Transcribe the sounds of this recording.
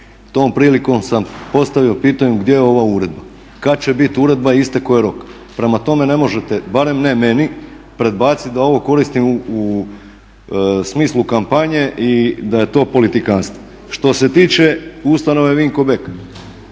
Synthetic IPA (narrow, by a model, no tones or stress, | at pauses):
t̪o̞ːmpɾiːliko̞msampo̞st̪aʋio̞piːt̪aɲuɡd̪jejeo̞ʋauɾe̞d̪ba | kat̪̚t͡ɕe̞bit̪uɾe̞d̪̚baist̪eko̞jeɾo̞k | pɾe̞mat̪o̞me̞ne̞mo̞ʒe̞t̪e̞baɾe̞mneme̞ni | pɾe̞d̪baːt̪sit̪d̪ao̞ʋo̞ko̞ɾist̪imuu | smiːslˠukampaɲe̞ʔid̪aje̞t̪o̞ːpo̞lit̪ikanst̪ʋo | ʃt̪o̞se̞t̪iːt͡ʃe̞ust̪ano̞ʋe̞ʋiŋko̞be̞k